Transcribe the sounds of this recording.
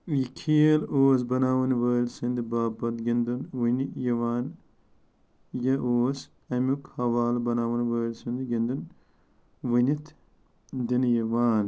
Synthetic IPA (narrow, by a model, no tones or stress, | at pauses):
jikʰiːloːs̬bɐnaːwɐnʋəːlsɨnd̪ibaːbɐt̪ɡʲind̪unwɨnijɐʋaːn | jɐʔoːs | ɐmukhɐʋaːlbɐnaːwɐnʋəːlsind̪iɡind̪un | wɨnit̪ʰ | d̪injɐʋaːn